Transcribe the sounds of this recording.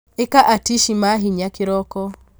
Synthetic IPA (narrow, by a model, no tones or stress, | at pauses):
ekaʔatiʃimaɦiɲakɪɾɔkɔ